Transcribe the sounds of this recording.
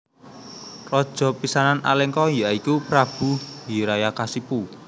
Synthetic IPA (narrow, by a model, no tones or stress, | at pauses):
rɔd̥ʒ̥ɔ̤pisananʔa̰lɛŋkɔjaʔikupɾab̥udiɾajakasipu